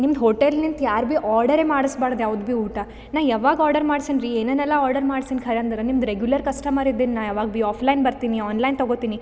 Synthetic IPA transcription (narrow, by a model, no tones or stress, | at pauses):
nimd̪ɦoʈelnint̪jaːɾbiʔaːɾɖɐɾemaːɽɐsbaːɽd̪jaːʋud̪biuːʈa | naːʋjaːʋaːɡaːɾɖɐɾmaːɽsinɾieːnɛnɛlːaaːɾɖɐɾmaːɖsinkʰɐɾɐnd̪ɾɐnimd̪ɾeɡjulɐɾkɐsʈɐmaɾid̪ːinnaːjaːʋaːɡbiːaːpʰlɐjnbɐɾt̪iniaːnlɐjnt̪ɐɡoːt̪iːni